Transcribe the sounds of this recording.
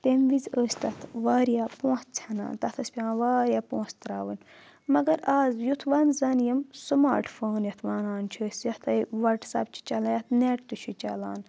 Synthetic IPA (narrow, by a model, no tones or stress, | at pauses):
t̪emʋizəːsʲt̪ɐt̪ʰʋaːɾjaːpõːt̪t͡sʰɐna̰ːnt̪ɐt̪ʰɐsʲpʲãːʋaːɾʲjaːpõːst̪ɾaːʋənʲ | mɐɡɐɾaːzjut̪ʰʋanzɐnjɐmsɨmaːɾʈfoːnjɐt̪ʰʋaːnaːnt͡ʃʰəːsjɐt̪ʰɐjʋɐʈsɐ̰b̚t͡ʃʰi̥t͡ʃɐlɐjɐt̪ʰneʈt̪ut͡ʃʰit͡ʃɐ̰laːn